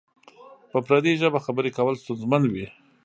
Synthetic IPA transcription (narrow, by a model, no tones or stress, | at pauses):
pəpɾad̪eʒəbaxabəɾekawəlst̪ʊnzmanwi